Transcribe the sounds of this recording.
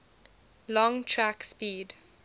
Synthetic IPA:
lɔ̃ŋtʰɹakspiːd

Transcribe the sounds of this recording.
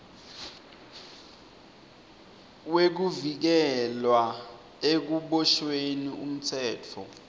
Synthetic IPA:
wek̬uvik̬ɛlwa | ek̬uɓɔʃwenium̩tʰɛːtʰɔ̰

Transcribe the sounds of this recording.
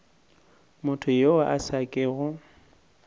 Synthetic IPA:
mʊtʰʊjowaʔasakʼɪːɣʊ

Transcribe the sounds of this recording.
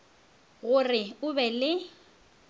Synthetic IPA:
ɣʊrɪʊbɛlɪ

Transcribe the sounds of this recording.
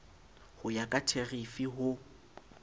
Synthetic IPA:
hʊjakʼatʰeɣifiɦʊ

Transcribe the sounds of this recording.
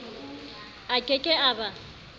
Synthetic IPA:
akʼekʼɛaːba

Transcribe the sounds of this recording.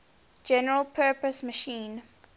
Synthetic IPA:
d͡ʒɛnəɹəlˠpʰɜːˑpəsməʃĩːn

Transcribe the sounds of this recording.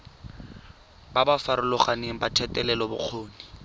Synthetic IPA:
babafaɾʊlʊχaneŋ̩batʰɛtʼɛlɛlɔbʊ̰q͡χʰoːni

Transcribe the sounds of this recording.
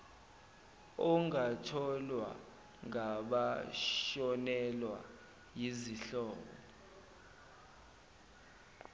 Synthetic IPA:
ɔŋatʰɔlwa̰ | ŋaɓaʃɔnɛlwa̰ | jiziɬɔːɓɔ̰

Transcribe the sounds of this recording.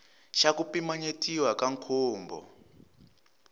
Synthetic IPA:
ʃakupimaɲetʼiwakaŋkʰoːmbɔ̰

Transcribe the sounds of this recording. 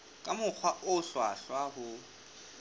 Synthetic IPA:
kʼamʊk͡xʰwaʔʊɬwa̰ɬwahʊ

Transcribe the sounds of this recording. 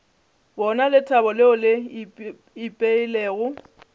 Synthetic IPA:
bɔnalɪtʰʼabɔlɪɔlɪ | ɪpʼeileːɣʊ

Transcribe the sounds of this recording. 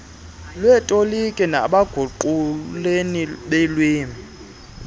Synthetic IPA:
lwɛtʼolikʼɛna̰ɓaɡ̥ʱuǃuleniɓɛlweːmi

